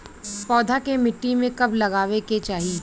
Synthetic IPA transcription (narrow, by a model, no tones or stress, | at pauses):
pɔːd̪ʱakemɪʈːimẽkɐblɐɣaːʋeket͡ʃaːɦi